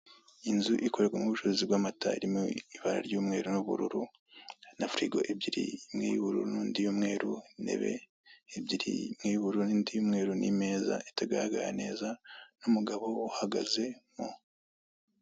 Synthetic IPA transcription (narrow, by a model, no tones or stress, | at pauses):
inzuʔiko̞ɾekɡwemuuβuʃozibwaːmataiɾimoiβaɾa̰ɾɟuːmŋe̞ːɾunuβuɾuɾu | nafɾiɡoʔeb̚ɟiɾḭmŋijβuɾṵɾunuːndijumŋe̞ːɾune̞̰βe̞̰ː | bɟiɾḭmŋijβuɾunindijumŋe̞ːɾunime̞ːza̰ʔetaɡaɾaɡa̰ɾane̞ːzanumuɡaβo̞uhaɡaze̞mo